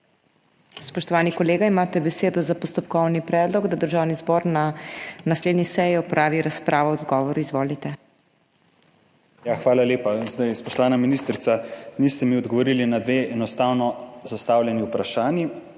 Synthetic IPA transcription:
spɔʃt̪ɔʋaːnikɔleːɡaimaːt̪ɛbɛseːd̪ɔzapɔst̪ɔp̚kɔwnipɾɛːd̪lɔɡd̪ad̪əɾʒaːwnizbɔːɾnanasleːd̪nʲisɛjiɔpɾʔaːʋiɾaspɾʔaːʋɔɔd̪ɡɔːʋɔɾuizʋoːlit̪ɛ | jaxʋaːlaleːpazd̪ajspɔʃt̪ɔʋaːnaminiːst̪ɾit̪sanist̪ɛmiɔd̪ɡɔʋɔɾiːlinad̪ʋeʔɛnɔst̪awnɔzast̪aːwlʲɛniupɾaʃaːnji

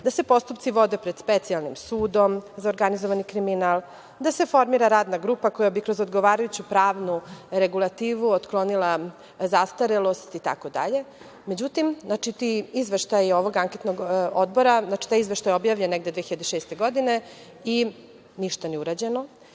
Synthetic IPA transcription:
d̪asepo̞st̪upt̪siʋo̞d̪epɾed̪̥spet̪ialˠnimsuːd̪o̞mzaoɾɡanizoʋanikɾiminalˠ | d̪ase̞fo̞ɾmiɾaɾaːd̪naɡɾupako̞jabikɾozod̪ɡoʋaːɾajut͡ɕupɾaːʋnuɾeɡulˠat̪iːʋuot̪klˠo̞nilˠa | zast̪aɾelo̞st̪it̪a̰kod̪a̰ʎe̞ | med͡ʑut̪imznat͡ʃit̪iizʋeʃt̪ajo̞ʋo̞ɡaŋket̪noɡod̪bo̞ɾaznat͡ʃi̥t̪aːjizʋeʃt̪ajobjaːʋʎenːeɡd̪ed̪ʋexiʎad̪eʃeːst̪e̞ɡo̞d̪ine̞ | i | niʃt̪aniuɾad͡ʑe̞no

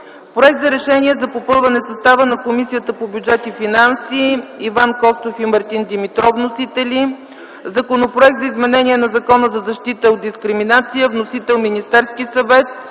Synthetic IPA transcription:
pɾoɛk̚t̪zɐɾɛʃɛnʲiɛzɐpopɤlˠvɐnɛsɐst̪avənɐkomisijət̪əpobʲjud͡ʒɛt̪ifinansiːvankɔst̪ofimɐɾt̪ind̪imit̪ɾɔvnosit̪ɛli | zɐkonopɾoɛk̚t̪zɐizmɛnɛniɛnɐzɐkɔnəzɐzɐʃt̪it̪əod̪̚d̪iskɾiminat̪sijəvnosit̪ɛlˠminist̪ɛɾskisɐvɛt̪̚

